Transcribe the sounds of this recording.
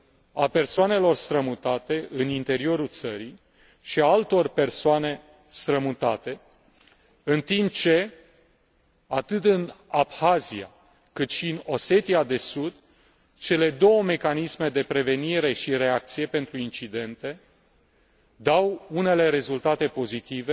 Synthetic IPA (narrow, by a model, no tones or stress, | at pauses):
ape̞rsoane̞lo̞rst̪ɾəmut̪at̪e̞ɨnint̪e̞ɾio̞ɾult̪səɾij | ʃiaalt̪o̞rpe̞rsoane̞ | st̪ɾəmut̪at̪e̞ | ɨnt̪imp̚t͡ʃe̞ | at̪ɨt̪ɨnabxazia̰ | kɨt̪ʃiɨno̞se̞t̪iad̪e̞sud̪ | t͡ʃe̞le̞d̪o̞wəme̞kanisme̞d̪e̞pɾe̞ve̞niɾe̞ʃiɾe̞ak̚t̪sije̞pe̞nt̪ɾuint͡ʃid̪e̞nt̪e̞ | d̪awune̞le̞ɾe̞zult̪at̪e̞po̞zit̪ive